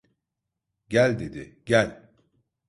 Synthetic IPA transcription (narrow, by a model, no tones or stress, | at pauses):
ɟælʲd̪ed̪ɪɟælʲ